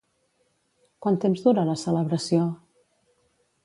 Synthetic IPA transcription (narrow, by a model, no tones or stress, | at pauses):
kwant̪emzd̪uɾələsələβɾəsio